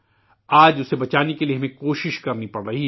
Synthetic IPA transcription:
aːd͡ʒʊsebɐt͡ʃaːnekelieɦmẽkoːʃɪʃkɐɾnipɐɽɾɐɦi

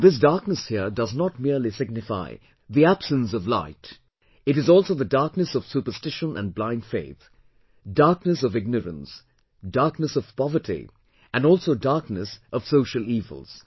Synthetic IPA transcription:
ðɪs̬dɑɹknəshiɹdʌznət̚miɹlisɪɡ̚nɪfa̰ɪ | ðiæb̥sə̃ns̬ʌvla̰ɪt | ɨɾɨzɔlˠsoʊðɨdɑɹknɨsʌv̥supə˞stɪʃə̃nʔə̰̃nblãɪ̃nd̥feɪθ | d̥ɑɹknɨsʌvɪɡ̚nəɹə̰̃ns | dɑɹknəsʌv̥pɑvə˞tʰḭ | ɨ̃nɔlˠsoʊdɑɹknɨsʔʌv̥soʊʃəl̩ˠiːvə̰l̩ˠz̥

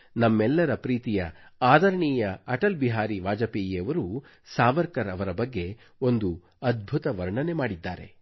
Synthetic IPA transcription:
nɐmːɛlːɐɾɐpɾiːt̪ijɐaːd̪ʱɐɾɐɳiːjɐɐʈɐlbiɦaːɾiʋaːd͡ʒɐpiːjɐʋɐɾu | saːʋɐɾkɐɾɐʋɐɾɐbɐɡːe̞ | o̞nd̪u | ɐd̪̚bʱut̪ɐʋɐɾɳɐne̞maːɽid̪ːaːɾe̞̰

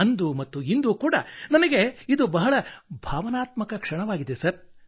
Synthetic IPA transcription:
ɐnd̪umɐt̪ːuind̪ukuːɽɐnɐnɐɡe̞id̪ubɐɦɐɭɐbʱaːʋɐnaːt̪mɐkɐkʂɐɳɐʋaːɡid̪esɐɾ

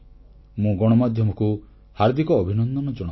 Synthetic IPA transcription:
mũɡɔɽ̃ɔmad̪ʱjɔmɔku | haɾd̪ikɔːbʱinɔnd̪ɔnɔd͡ʒɔɽ

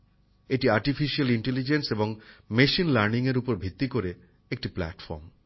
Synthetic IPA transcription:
eʈiaɾʈifiʃialiɳʈelid͡ʑenseboŋmeʃinlaɾniŋeɾupoɾbʱit̪ːikoɾe | ek̚ʈipla̰ʈfɔ̰ɾm

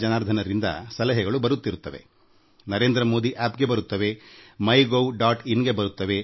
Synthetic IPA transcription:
d͡ʒɐnaːɾd̪ʱɐnɐɾind̪ɐ̰sɐlɐɦɛɡɐɭubɐɾut̪ːiɾut̪ːɐʋe̞̰ | nɐɾe̞ːnd̪ɾɐmoːd̪iʔaːpɡe̞bɐɾut̪ːɐʋe̞mɐjɡoɖaːʈinːɡe̞bɐɾut̪ːɐʋe̞

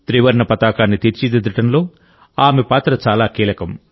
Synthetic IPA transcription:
t̪ɾiːʋɐɾɳɐpɐt̪aːkaːnːit̪iːɾt͡ʃid̪id̪ɐʈɐnlo̞ː | aːmepaːt̪ɾɐt͡ʃaːlaːkiːlɐkɐm

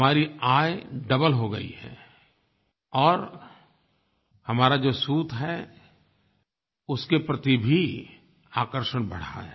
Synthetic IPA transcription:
maːɾiaːjɖɐbəlɦoɡɐ̰ḭɦɛ̰ | ɔːɾ | hɐmaːɾad͡ʒoːsuːt̪ɦɛ | ʊskepɾɐt̪ibʱi | aːkəɾʃəɽ̃bɐ̰ɽ̤a̰ɦɛ

